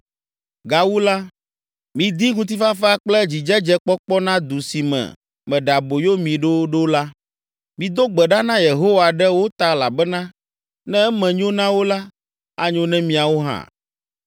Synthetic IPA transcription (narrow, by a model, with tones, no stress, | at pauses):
ɡa˨wu˦la˦ | mĩ˨d̪i˦ŋũ˦t̪̬i˦fa˦fa˦k͡plɛ˦d͡ʑi˨d͡ʒɛ˦d͡ʒɛ˦k͡pɔ˦k͡pɔ˦nã˦d̪u˨si˨mɛ̰̃˨ | mɛ̃˨ɖa˨bo˨jo˦mĩ˨ɖo˦ɖo˦la˦ | mĩ˨d̪o˦ɡ͡bɛ˨ɖa˦nã˦je˨ɦo˦wa˨ɖɛ˦wo˦t̪a˦la˨bɛ˦nã˦ | nɛ̃˦ɛ˦mɛ̃˨ɲõ˦nã˦wo˦la˦ | a̰˦ɲõ˦nɛ̃˦mĩ˨a˨wo˦ɦã̰˨